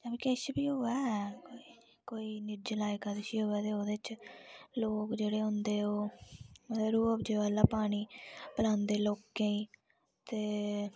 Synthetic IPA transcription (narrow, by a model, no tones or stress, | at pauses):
d͡ʒəbiːkɛʃbiːɦʊɛːkoːiː | koːiːnɪd͡ʒəlaːɪkaːd̪eʃiːɦʊɛːt̪eːoːd̪eːt͡ʃloːkd͡ʒeːɽeːɦʊ̃nd̪eːoː | əɾuːəpd͡ʒeːʋaːlaːpaːɽ̃iːpəlãːnd̪eːloːkːẽːĩː | t̪eː